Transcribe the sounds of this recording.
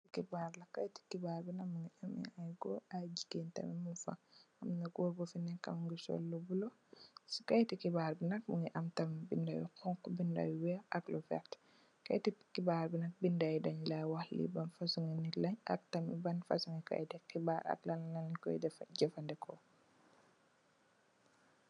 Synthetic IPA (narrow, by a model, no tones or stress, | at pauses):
sikibaːɾlɐkːajti̥kibaɾbinakmuŋɡiʔamḭajɡɔad͡ʒikentɐ̰mimunfa̰ | ɐmnaɡoɾbɔfinɛka̰mŋɡiso̰lːubulo | si̥kajtikibaːɾbinɐk̚muŋɡiʔɐmtɐmbindawḭqɔŋkɔbinda̰wiwɛɐklufɛ̰t | ka̰jtikibaːɾbinɐk̚bindajidɐɲlawaxlḭbɐnfasuŋinilɐɲɐ̰k̚tɐmibɐnfa̰suŋika̰jtɛkːibaːɾɐ̰klanlankɔ̰jdɛfɟɛfandɛkʰɔ